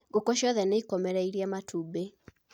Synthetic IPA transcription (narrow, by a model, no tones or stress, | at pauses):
ɡokoʃɔðɛneikɔmɛɾɛiɾiɛmatʰube